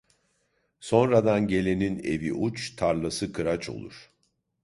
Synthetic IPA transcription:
so̞nɾad̪anɟe̞lʲe̞nine̞̰viʔut͡ʃt̪ʰaɾlˠasɯkʰɯɾat͡ʃʰo̞̰lˠṵɾ̥

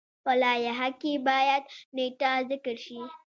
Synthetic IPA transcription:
ɸɐlaːjaɦakʲːiːbaːjɐtneːtazɪkɐɾʃi

